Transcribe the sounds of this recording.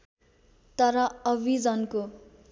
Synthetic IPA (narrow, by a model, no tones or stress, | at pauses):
t̪ʌɾʌʌbid͡zʌnko